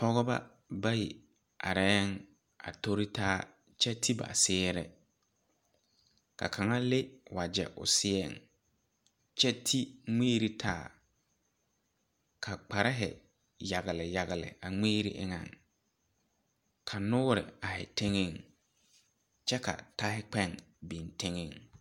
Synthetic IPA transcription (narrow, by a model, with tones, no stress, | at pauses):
pɔ˦ɣɔ˦ba̰˦ | ba˦ji˨ | a˨ɾɛː˦ŋ | a̰˨to˦ɾi˦tʰaː˦ | t͡ʃɛ˦tʰi˦ba̰˨sɪː˦ɾɛ̰˦ | kʰa̰˨kʰa˨ŋa˦le˦wa˨d͡ʒɛ˨ʔʊ̰˨sɪ˦ɛ̰˦˨ŋ | t͡ʃɛ˦tʰi˦ŋeː˦ɾi˦tʰaː˦˨ | kʰa˨k͡pa˨ɾɪ˦ɦɪ̰˨ | ja˨ɣɪ˨lɪ˨ja˨ɣɪ˨lɪ̰˨a˨ŋeː˦ɾḭ˦ʔɪ̰˦ŋã̰˨ŋ | kʰa˨nʊ˦ɾɪ̰˨a˨hɪ̰˨tʰe˦ŋe˦˨ŋ | t͡ʃɛ˦ka̰˨ta˦hɪ˦k͡pɛ˦˨ŋbi˨ntʰe˦ŋe˦˨ŋ